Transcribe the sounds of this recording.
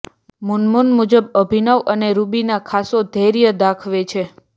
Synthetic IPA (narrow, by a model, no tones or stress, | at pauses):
munmunmud͡ʒəbəbʱinəʋəneɾubinakʰasod̪ʱeɾjəd̪akʰʋet͡ʃʰe